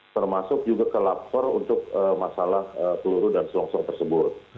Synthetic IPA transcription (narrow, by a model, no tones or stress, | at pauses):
t̪ərmasʊk̚d͡ʒuɡakəlap̚fɔrunt̪ʊk̚əmasalahəpəluɾʊdansəlɔŋsɔŋt̪ərsəbʊr